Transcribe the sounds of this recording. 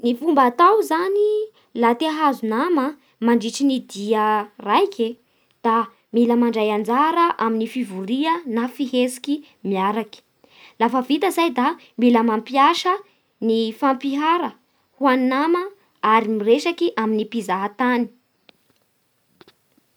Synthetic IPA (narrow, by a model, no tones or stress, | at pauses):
nifumbat̪awzani | lat̪eaɦazunamə | maɳɖ͡ʐiʈ͡ʂinid̪iərajkʰe | d̪̥a | miləmaɳɖ͡ʐajand͡zaɾəʔaminifivuɾiənafiɦesi̥ki | miaɾaki̥ | lafəvit̪əzajd̪a | miləmampiaʃə | nifampiɦaɾə | huaninamə | aɾimireʃakiʔaminipizaɦat̪ani̥